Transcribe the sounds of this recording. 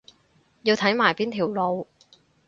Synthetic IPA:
jiː˧wt̪ʰɐ˨˥jmaː˨˩jpiː˥nt̪ʰiː˨˩wlo˨˧w

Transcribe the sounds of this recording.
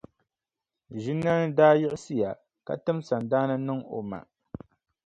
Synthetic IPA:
ʒi˦nː˦a˦nɨ˦daː˦jɪ˦ʔɪ˦sɨ˦ja˨ | ka̰˨tɨ˦msa˨ndaː˦nɨ˦nɨ˦ŋo̰˨ma̰˨

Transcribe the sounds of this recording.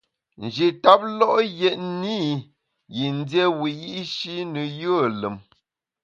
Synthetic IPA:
n̩˨d͡ʒi˨ta˦p̚lɔ˦ʔjɛ˨ʔ̚ni˦ | ji˨n˦djɛ˦wi˨ji˦ʔʃi˦nə˨jə˦˨lə˨m

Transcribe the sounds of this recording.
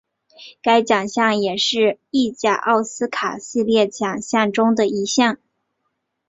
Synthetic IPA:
ka˥ɪt͡ɕjɑ˨˩ŋɕjɑ˥˩ŋjɛ˨˩ʂɻ̩˥˧i˥˧t͡ɕja˥˩ʔɑ˥˩ʊsɹ̩˥kʰa˨˩ɕi˥˧ljɛ˥˩t͡ɕjɑ˨˩ŋɕjɑ˥˩ŋʈ͡ʂʊ˥ŋd̪ə˨i˧˥ɕjɑ˥˩ŋ

